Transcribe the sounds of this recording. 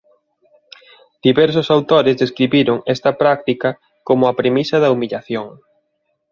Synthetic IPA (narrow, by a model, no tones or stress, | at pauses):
d̪̥iβɛɾsʊsawt̪oɾezðeskɾiβiɾʊŋɛst̪ɐpɾak̚t̪ikɐ | komʊɐpɾemisɐðɐumiʎaθjoŋ